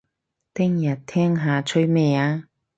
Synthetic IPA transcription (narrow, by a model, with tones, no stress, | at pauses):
t̪ɪ˥ŋjɐ˨˩t̚t̪ʰɛː˥ŋɦaː˨˧t͡ʃʰɵ˥ɥmɛː˧˩aː˧